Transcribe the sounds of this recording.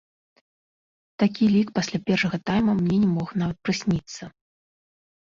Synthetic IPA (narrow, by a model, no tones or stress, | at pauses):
t̪akʲilʲikpasʲlʲapʲɛrʂɐɣɐt̪ajmɐmnʲɛnʲɛmɔxnavɐt̪̚pɾɨsʲnʲit̪sːɐ